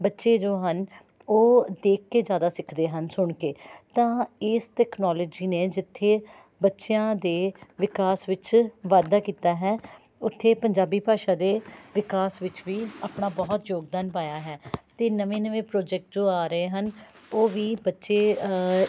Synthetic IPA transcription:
bətːʃeːd͡ʒoːɦən | oːd̪eːkʰːeːd͡ʒjaːd̪aːsɪkʰd̪eːɦənsʊɳkeːt̪ãːɪsʈɛːknɔːlɔːd͡ʒiːneːd͡ʒɪt̪ʰːeː | bətːʃjãːd̪eːʋɪkaːsʋɪt͡ʃʋaːd̪aːkiːt̪aːɦɛː | ʊt̪ʰːeːpəɲd͡ʒaːbiːpaːʃãːd̪eːʋɪkaːsʋɪt͡ʃʋiːaːpɳaːbɔːt̪joːɡd̪aːnpaːjaːɦɛːt̪eːnəʋẽːnəʋẽːpɾoːd͡ʒɛːk̚ʈ̚d͡ʒoːaːɾəeːɦən | oːʋiːbətːʃeː

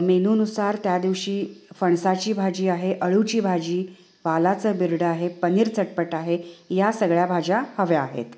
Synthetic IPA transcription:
menuːnusaɾt̪jad̪iʋɕiːfəɳsat͡ɕiːbʱad͡ʑiːaɦeʔəɭut͡ɕiːbʱad͡ʑiː | ʋalat͡səːbiɾɽəaɦepəniːɾt͡səʈ̚pəʈaɦejasəɡɭjabʱad͡ʑahəʋeaɦḛt̪

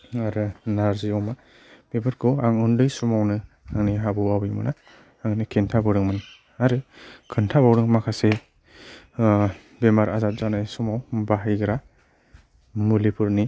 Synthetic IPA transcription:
aɾɯnaɾzijɔwma | b̥ebɯɾkʰɔaŋɯndɯjsumawnɯ | aŋniɦabɯawɯjmɯ̰naː | ŋnikʰentʰabɯɾɯŋmɯn | aɾɯkʰɯntʰabawɾɯŋmakʰase | bemaɾazat̚z̥anajsumawbaɦajɡɯɾa | mulipʰuɾni

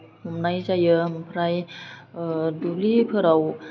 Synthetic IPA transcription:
mumnajzajɯmpʰɾaj | dublipʰɯɾaw

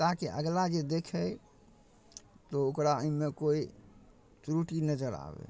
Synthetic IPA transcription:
t̪akeʔəɡlad͡ʒed̪ekʰɛ | t̪ɔokɾaəimekoi | t͡ʃɾuʈinəd͡ʒəɾa̰bḛ

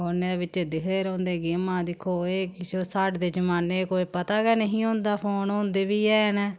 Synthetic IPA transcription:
oːneːeːbɪt͡ʃed̪ɪɦeɾõːnd̪eːɡɪmãːd̪ɪkʰːoːeːkɪt͡ʃoːsaːɖd̪eːd͡ʒəmaːneːkoːpət̪aːɡɛːnəɦĩːɦõːnd̪aːpʰoːnɦõːnd̪eːbiːɛːnː

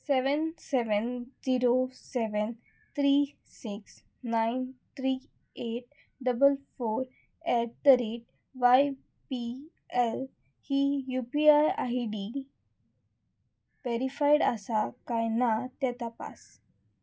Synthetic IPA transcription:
seʋənsɛʋənd͡ziɾosɛʋən | t̪ʰɾiː | siks | najnt̪ʰɾi | eʈ̚ | ɖəbəlfoɾ | ɛʈ̚t̪əɾeʈ̚ | ʋaj | pi | el | hijupiajajɖi | ʋeɾifajɽəsakajnat̪ɛt̪apa̰s

